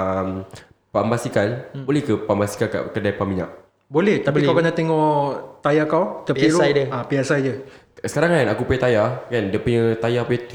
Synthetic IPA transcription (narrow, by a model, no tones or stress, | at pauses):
əm | pambasikalbolɛhkəpambasi̥kalka̰kədajpamiɲa̰ʔ̚ | bolɛht̪apikkawkənaʔt̪eŋɔt̪ajakawt̪apiɾud͡ʒəapiasajd͡ʒə | sə̥kaɾaŋanakupoɛt̪ajakandəpuɲət̪ajapujət̪